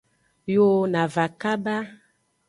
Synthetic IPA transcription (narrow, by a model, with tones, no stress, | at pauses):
jo˦na˨va˨ka˦ba˦